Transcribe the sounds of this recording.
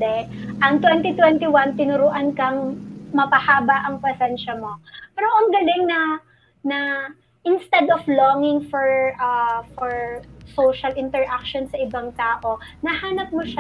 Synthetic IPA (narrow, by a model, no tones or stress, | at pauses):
d̪ɛʔɐŋt̪wɛnt̪ɪt̪wɛnt̪ɪwant̪ɪnʊɾʊʔankɐŋmɐpɐhaːbɐʔɐŋpɐsɛnʃɐmo̞pɛːɾoʔɐŋɡɐlɪŋnɐ | nɐ | ʔɪnst̪ɛd̪ɔfloŋɪŋfɔɹʔɐfɔɹsowʃɐlɪnt̪ɛɹʔak̚ʃonsɐʔɪbɐŋt̪aːʔo̞nɐhaːnɐp̚moʃa